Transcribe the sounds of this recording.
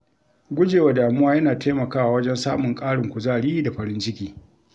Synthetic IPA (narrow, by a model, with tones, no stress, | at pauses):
ɡʷʊ˦d͡ʒeː˨wa˨daː˨mʊ˦aː˦jɐ˦naː˨tʰaː˦mɐ˨kaː˦wa˨wɐ˦d͡ʒɛ˦nsaː˦mʊ˨ŋkʼaː˦ɽɪ˨ŋkʷʊ˨zaː˦˨ɽiː˦da˨ɸɐ˨ɾɪ˦nt͡ʃɪ˦kʲiː˦